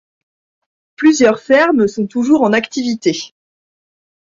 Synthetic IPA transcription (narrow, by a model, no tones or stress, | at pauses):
plyzjœʁfɛʁmsɔ̃t̪uʒuʁɑ̃nakt̪ivit̪e